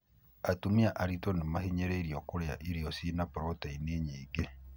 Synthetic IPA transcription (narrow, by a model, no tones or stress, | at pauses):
atumiaʔaɾitonimahiɲeɾeiɾjokuɾja̰ʔiɾjosinapuɾotaineɲiːɡe